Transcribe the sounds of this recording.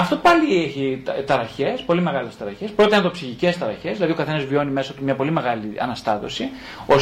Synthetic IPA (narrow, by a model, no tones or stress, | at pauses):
ɐft̪o̞pɐlieçit̪ɐɾɐçe̞spo̞lime̞ɣɐle̞st̪ɐɾɐçe̞spɾo̞t̪eɐnd̪o̞psiçice̞st̪ɐɾɐçe̞zðilɐðio̞kɐθe̞nɐzvjo̞nime̞sɐt̪umɲɐpo̞lime̞ɣɐliɐ̰nɐst̪ɐt̪o̞si | o̞